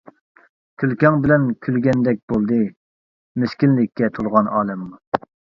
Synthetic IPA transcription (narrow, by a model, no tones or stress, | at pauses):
kʲʰylkʲɑŋbɪlɛnkʲʰylɡʲɛnd̪ɛk̚ʲb̥olˠd̪ɨ | meskʲinlɪkʲʰːɛt̪ʰolˠʁɑnɑːlˠɛmɨŋ